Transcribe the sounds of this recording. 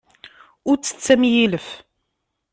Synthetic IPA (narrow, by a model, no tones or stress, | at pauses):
ʊɾt͡sːə̥t͡sːæmjiləf